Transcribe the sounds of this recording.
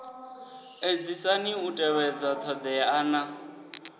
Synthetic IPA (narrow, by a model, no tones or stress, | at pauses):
ed͡zisaniutʼɛwɛd͡zɔt̪ʰɔd̪ɛana